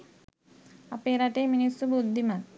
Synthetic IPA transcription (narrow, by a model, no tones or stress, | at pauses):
ɐpeɾɐʈeminisubud̪ʱːimɐ